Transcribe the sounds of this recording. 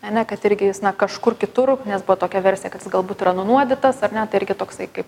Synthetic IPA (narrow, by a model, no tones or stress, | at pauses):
ɐnʲɛkɐt̪ɪɾʲɡʲɪjɪsnɐkɐʃkʊrkʲɪt̪ʊrnʲɛsbʊʋoːt̪oːkʲɛʋʲɛɾʲsʲjɛkɐt̪jɪsɡɐlˠbuːt̪iːɾɐnʊnuɔd̪ʲɪt̪ɐsɐrnʲɛt̪ɐɪɪɾʲɡʲɪt̪oːksɐɪkɐɪp